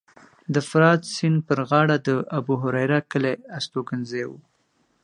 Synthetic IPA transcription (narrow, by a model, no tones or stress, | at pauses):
d̪əfɾɑd̪sɪnpəɾɣɑɽad̪əʔabuɦʊɾajɾakəleast̪okanzewu